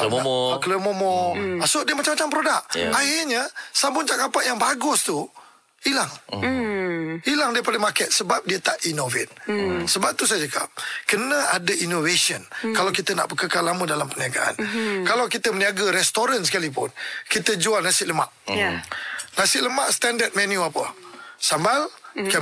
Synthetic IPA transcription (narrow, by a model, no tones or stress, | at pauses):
kələmomɔasodiəmat͡ʃamːat͡ʃampɾodaʔ̚ahɪrɲasambʊnt͡ʃakampaʔjaŋbaɡʊst̪u | ilaŋ | ilaŋdaipadəmakɛt̪̚səbap̚diət̪aʔinovɪt̪̚səbap̚t̪usajd͡ʒəka̰p̚kənə̃ʔadəʔinovesənkalawkit̪əna̰ʔbəkəkalamədalampəniaɡa̰ʔa̰nkalawkit̪əməniaɡaɾɛst̪oɾansə̥kalipʊnkit̪əd͡ʒualnasɪʔləma̰ʔ | nasɪʔləmaʔsə̥t̪andət̪̚mɛ̃njuapə̰sambalka